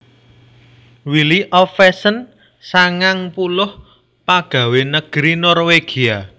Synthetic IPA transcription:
wiliʔɔfɛsən | saŋaŋpulʊh | paɡ̥a̤wenəɡ̥ɾinɔrweɡ̥ia

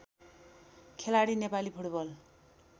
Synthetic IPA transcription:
kʰelaɽinepalipʰuʈbʌl

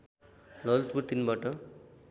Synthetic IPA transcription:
lʌlt̪puʈ̪inbaʈʌ

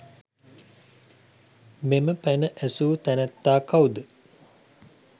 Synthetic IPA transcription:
meməpænəʔæsuːt̪ænɛt̪ːaːkawud̪ə

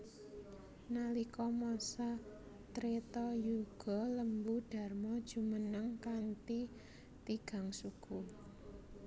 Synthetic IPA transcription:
nalikɔmɔsa | t̪ɾet̪ɔjuɡ̥ɔ̤ləmbuɖ̥a̤rmɔd̥ʒ̥ṳmənəŋkant̪i | t̪iɡ̥a̤ŋsuɡ̥u

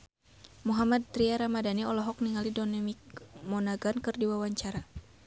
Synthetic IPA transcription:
muɦamad̪̚t̪ɾiaɾamadaniɔlɔɦɔk̚niŋalidɔnɛmikmɔnaɡankɨrdiwawaɲt͡ʃaɾa

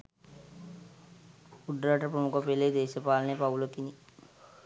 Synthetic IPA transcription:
kuɖɾaːʈɐpɾɐmukɐpeleːd̪eːʃɐpaːlɐnepawulokini

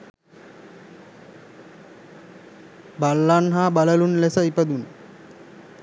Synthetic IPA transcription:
balːanɦaːbaləlunlesəipəd̪un

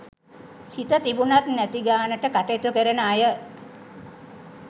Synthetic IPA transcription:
sit̪ət̪ibunat̪næt̪iɡaːnəʈəkaʈet̪ukəɾənəajə

